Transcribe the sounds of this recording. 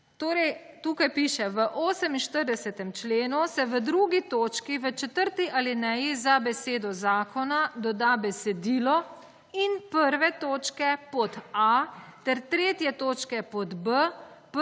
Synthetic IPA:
t̪oːɾɛj | t̪ukajpiʃɛʋəʔoːsɛminʃt̪əɾd̪ɛsɛt̪ɛmt͡ʃleːnusɛʋəd̪ɾuɡit̪oːt͡ʃkiʋət͡ʃɛt̪əɾt̪iʔalinɛjizabɛseːd̪ɔzaːkɔnad̪ɔd̪aːbɛsɛd̪iːlɔ | inpəɾʋɛt̪oːt͡ʃkɛpɔt̪at̪ɛɾt̪ɾeːt̪jɛt̪oːt͡ʃkɛpɔd̪bəp

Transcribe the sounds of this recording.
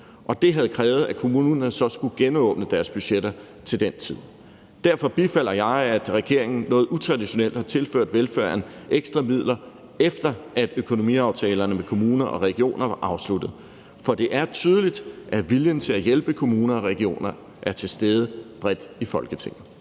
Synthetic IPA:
ʔɒ̽d̥e̝ɦæð̞̩ˠkʰʁɛːʊð̞̩ˠækʰo̝muːnnɐnsɒ̽sɡ̥uɡ̥enɔ̽ːb̥nəd̥æɐsb̥yɕed̥ɐ | t͡sʰe̝ld̥ent͡sʰið̞̰ˠ | d̥æɐ̰fɒ̽b̥ifæl̰ɐjɑ̈ɪæd̥ʁɛɡ̥e̝ɐ̰e̝ŋn̩nːɔ̽ːð̩ˠut͡sʰʁɑ̈d̥iɕo̝nel̰d̥hɑ̈t͡sʰe̝lføɐ̰d̥ʋelføɐ̰eneɡ̥sd̥ʁɐmið̰ˠlɐ | efd̥ɐʔæd̥økʰo̝no̝mḭɑ̈ʊt͡sʰɛːlɐnəmekʰo̝muːnɐʔɒ̽ʁɛɡ̥io̝̰ːnɐʋɑ̈ʔɑ̈ʊslud̥ð̩ˠ | fɒ̽d̥e̝ʔæɐt͡sʰyːð̞ˠəlid̥ʔæʋiljənt͡sʰe̝læjelb̥əkʰo̝muːnɐɒ̽ʁɛɡ̥io̝̰ːnɐ | ʔæɐt͡sʰe̝sd̥eːð̞ˠəb̥ʁɛd̥ifɒ̽lɡ̥ət͡sʰe̝ŋ̰ð̩ˠ

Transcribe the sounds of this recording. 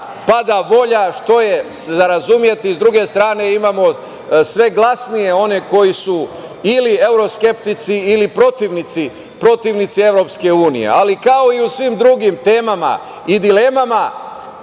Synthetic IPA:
pad̪aʋo̞ʎaʃt̪o̞jeszaɾazumje̞t̪izd̪ɾuɡe̞st̪ɾaːne̞imamo̞ | sʋe̞ɡlˠasnije̞o̞ne̞ko̞jisu | ilie̞wɾo̞ske̞pt̪it̪siːlipɾo̞t̪iʋnit̪si | pɾo̞t̪iʋnit̪sie̞vʋɾo̞pske̞uːnḭje̞̰alikao̞iusʋimd̪ɾuɡimt̪eːmama̰ | id̪ile̞mama

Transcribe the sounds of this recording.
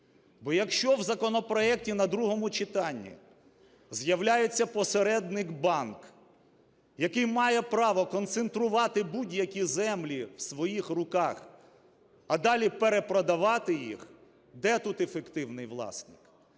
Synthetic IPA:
bɔjɐkʃt͡ʃɔwzɐkɔnɔpɾɔɛktʲinɐd̪ɾuɦɔmʊt͡ʃɪt̪ɑnʲːḭ | zjɐwlʲajet͡sʲːɐpɔseɾɛd̪nɪkbɑnk | jɐkɪjmɑjɛpɾɑʋɔkɔnt̪sent̪ɾʊʋɑt̪ɪbudʲjɐkʲizɛmlʲiwsʋɔjixrʊkɑx | ɐd̪ɑlʲipeɾepɾɔd̪ɐʋɑt̪ɪjḭx | d̪ɛt̪ut̪efekt̪ɪwnɪjʋlˠɑ̰snɪk

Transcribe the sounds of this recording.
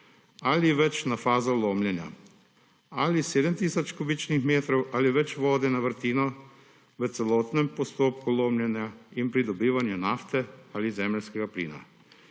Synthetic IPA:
aliʋɛt͡ʃnafaːzɔloːmljɛnja̰ | aliseːd̪əmt̪iːsɔt͡ʃkɔbit͡ʃnixmeːt̪ɾɔwʔaːliʋɛt͡ʃʋɔːd̪ɛnaʋəɾt̪iːnɔ | ʋət̪sɛlɔːt̪nɛmpɔst̪oːpkuloːmlʲjɛnjainpɾid̪ɔbiːʋanjunaft̪ɛaːlizɛːmlskɛɡaplḭːna̰

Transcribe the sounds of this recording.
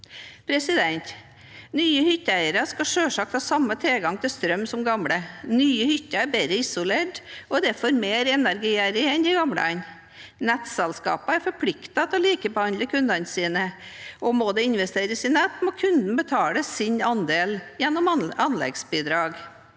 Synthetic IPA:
pʰɾɛsɪd̪ɛnt̪ | nyːəhʏt̪ːəæɪəɾɑskɑʂøːʂɑk̚t̪hɑːsɑmːət̪ʰɪlɡɑŋt̪ʰɪlst̪ɾœmːsɔmɡɑmɽənyːəhʏt̪ːəæɾbɛɾəɪsʊleːʈʔɔd̪ɛfɔɾmeːɾɛnæɾɡiːæɾəɛnd̪ɪɡɑmɽə̰ɑn | nɛt̪sɛlskɑ̰ːpəæɾfɔɾpʰlɪkt̪ɑt̪ʰɔliːkəbəhɑnd̪əkʰʉnd̪ɑnsiːnəɔmɔd̪ɛɪnʋɛst̪eːɾəsɪnɛt̪ːmɔkʰʉnd̪n̩bət̪ʰɑːləsɪɲɑnd̪eːljɛnːɔmɑnlɛ̰ɡsbiːd̪ɾɑːɡ

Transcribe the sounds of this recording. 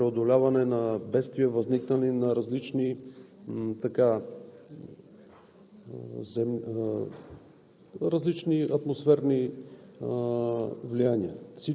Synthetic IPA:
pɾɛod̪olʲavɐnɛnɐbɛt̪st̪viɛvɐzniknəninɐɾɐzlit͡ʃni | t̪ɐka | zɛm | ɾɐzlit͡ʃniɐt̪mosfɛɾni | vlianiəfsi

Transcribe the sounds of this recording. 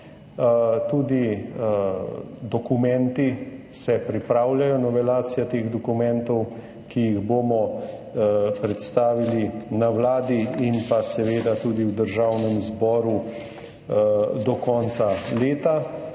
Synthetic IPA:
t̪uːd̪i | d̪ɔkumɛnt̪i | sɛpɾipɾaːwlʲjajɔnɔʋɛlaːt̪sijat̪eːɣd̪ɔkumɛnt̪ɔw | kijiɣboːmɔ | pɾɛt̪st̪aːʋilinawlaːd̪iinpasɛʋeːd̪at̪uːd̪iwd̪əɾʒawnɛmzbɔːɾu | d̪ɔkɔːnt̪saleːt̪a

